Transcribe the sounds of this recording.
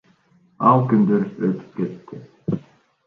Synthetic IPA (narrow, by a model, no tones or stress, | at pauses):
ɑlˠkynd̪øɾøt̪ʰy̥p̚ket̪ːɪ